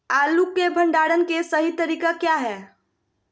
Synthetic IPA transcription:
alukːebʱəɳɖaɽənkesəɦit̪əɾiːkakjaɦɛː

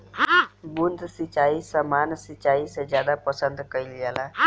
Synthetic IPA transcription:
bund̪ʱsit͡ʃaisəmansit͡ʃaisəd͡ʒjad̪apəsənd̪kəiljala

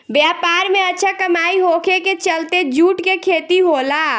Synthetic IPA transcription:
bjapaɾmeətːʃʰakəmaiɦokʰeket͡ʃəlt̪ed͡ʒuːʈkekʰet̪iɦola

